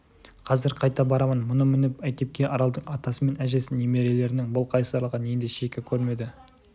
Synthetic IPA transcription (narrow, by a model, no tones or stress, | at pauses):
qʰɑzɪɾqʰɑjt̪ɑbɑɾɑmənmʊnəmɪnɪpæjt̪ʲe̞p̚kʲe̞ʔɑɾɑlˠd̪əɴɑt̪ɑsəme̞næʒesɪnjeme̞ɾe̞le̞ɾɪnɪŋbʊlˠqʰɑjsɑɾlˠʁɑne̞nd̪eʃekʲɪkʲʰɵɾme̞d̪ɪ